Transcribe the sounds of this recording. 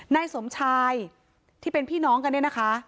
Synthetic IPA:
naː˧jso˩˦mt͡ɕʰaː˧j | t̪ʰiː˥˩pe˧npʰiː˥˩nɔː˦˥ŋka˧ni˥˩na˦˥kʰa˦˥

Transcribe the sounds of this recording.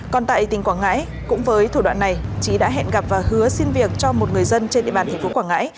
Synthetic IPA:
kɔ˨˩nt̪a̰ː˧˨jt̪ï˨˩ŋ̟kwaː˧˩ŋa̰ː˧˥j | kʊ̰˧˥ŋ͡mvəː˨˦jt̪ʰu˧˩wa̰ː˧˨nːa˨˩jt͡ɕi˨˦ɗa̰ː˧˥ɦɛ̰˧˨nɣa˨˩p̚vaː˨˩whɨ˨˦əsi˧nvi˨˩ək̚t͡ɕɔ˧mo˨˩t̚ŋɨ˨˩əjzə˧nt͡ɕe˧nɗḭ˧˨ɓa˨˩t̪ʰɛ˨˩ŋfo˨˦kwaː˧˩ŋa̰ː˧˥j

